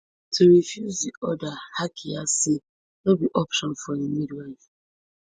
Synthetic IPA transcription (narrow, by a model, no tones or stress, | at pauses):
tʰuɾifjuzdiɔdahakʰiase | nobiʔɔpʃɔ̃nfɔimidal